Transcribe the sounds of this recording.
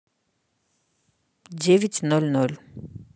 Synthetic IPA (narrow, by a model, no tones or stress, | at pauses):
d͡ʒevit̪nɔlunɔlu̥